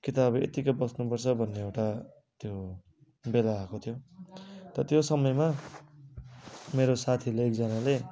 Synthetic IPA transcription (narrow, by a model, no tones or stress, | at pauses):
kit̪abḛt̪ikʌbʌsnupʌrt͡sʰʌbʱʌnːeewʈa | t̪jo | belaːkot̪ʰjo | t̪ʌʌt̪josʌmʌjma | meɾosat̪ʰileːk̚d͡zʌnale